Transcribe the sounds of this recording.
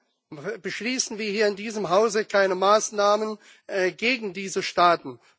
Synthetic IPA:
bəʃliːsn̩viːɐhiːɐɪndiːzəmɦaʊzəkʰaɪnəmaːsnaːmənː | ɡeːɡŋ̩diːzəʃtaːtn̩

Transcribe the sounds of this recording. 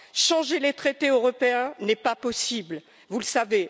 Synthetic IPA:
ʃɑ̃ʒelet̪χet̪eøʁɔpeɛ̃nɛpapɔsibl | vuləsave

